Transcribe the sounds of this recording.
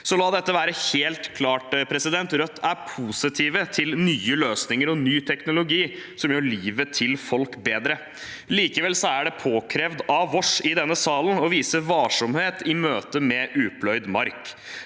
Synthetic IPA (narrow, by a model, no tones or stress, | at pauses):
sɔlɑːd̪ɛt̪ːəʋæːɾəheːlt̪kʰlɑːʈpʰɾɛsɪd̪ɛnt̪ɾœt̪ːæɾpʰuːsɪt̪ʰiːʋət̪ʰɪlnyːəløːsnɪŋəɾɔnyːt̪ʰɛknʊlʊɡiː | sɔmjøːɭiːʋət̪ʰɪlfɔlkbeːd̪ɾə | liːkəʋɛlsɔæɖɛpʰoːkʰɾɛʋd̪ɑʋɔʂɪd̪ɛnːəsɑːlənɔʋiːsəʋɑːʂɔmheːt̪ɪmøːt̪əmɛʔʉːpʰlœʏd̪mɑɾk